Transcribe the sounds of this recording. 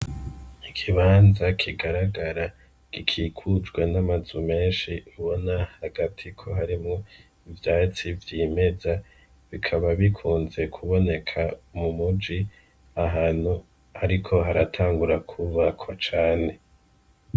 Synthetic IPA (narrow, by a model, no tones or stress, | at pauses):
ikʰiβaːnzakʰiɡaɾaɡaɾa | ɡ̥ikʰiːkʰud͡ʒɡwenamazume̞ːnʃiuβo̞nahaɡatʰikʰo̞ɦaɾimŋo | ivjaːt͡sivjiːme̞za | βikʰaβaβikʰuːnze̞kʰuβo̞ne̞kʰaumumud͡ʒi | aɦaːn̥hu | aɾikʰo̞ɦaɾatʰaːŋɡuɾakʰuβakʰwat͡ʃaːne̞